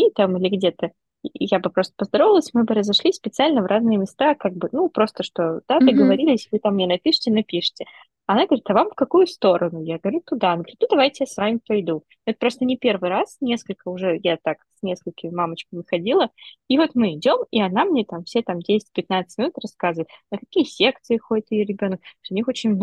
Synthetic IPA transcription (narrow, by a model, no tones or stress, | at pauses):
it̪amɨlʲɪɡdʲe̞t̪ə | jabɨpɾo̞st̪ə̥pəzd̪ɐɾovɪəlˠəsʲmɨbɨɾəzɐʂlʲispʲɪt̪sɨalʲnəvɾʔaznɨjəmʲɪst̪akaɡ̚bɨnupɾo̞st̪əʂt̪od̪̥ad̪ɨɡəvɐɾʲilʲɪjsʲɪvɨt̪amːnʲenɐpʲiʂɨ̥tʲɪnɐpʲiʂɨ̥tʲɪ | ɐnaɡəvɐɾʲit̪ɐvamfkɐkujʊst̪o̞ɾʔənʊjaɡəvɐɾʲut̪ud̪anɡvɾʲit̪nud̪ɐvajtʲɪjasvamʲɪpɐjd̪unɛt̪pɾo̞st̪ənʲɪpʲe̞rvɨjɾasnʲe̞skəlʲkəʊʐɛjat̪aksʲnʲe̞skəlʲkʲɪmʲɪmamət͡ɕkəmʲɪxɐdʲilˠəivo̞t̪mɨɪdʲo̞miɐnamnʲet̪amfsʲet̪amdʲesʲɪ̥t̚ʲpʲɪt̪nat̪sɨ̥tʲmʲɪnut̪rɐskazəvəɪt̪nəkɐkʲijəsʲe̞k̚t̪sɨɪxoɪt̪ɨjoɾʲɪbʲo̞nək̚t̪oʊnʲixo̞t͡ɕɪnʲ